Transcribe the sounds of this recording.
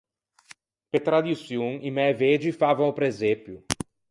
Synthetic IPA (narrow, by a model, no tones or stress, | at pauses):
pet̪ɾad̪isjõŋimɛved͡ʒifavãw̃ʊpɾezepjʊ